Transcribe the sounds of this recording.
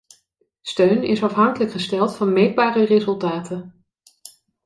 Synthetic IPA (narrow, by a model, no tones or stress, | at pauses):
støɥnɪsɑfɦɑŋkələkχəstɛlˠtfɑnmejd̚baːrərezɵlˠtaːtən